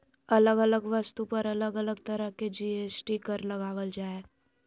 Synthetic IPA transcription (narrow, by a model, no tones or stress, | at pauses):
ɐləɡələɡʋəst̪upəɾɐləɡələɡt̪əɾəked͡ʒiːeːsʈikəɾlɐɡaːʋəld͡ʒaːe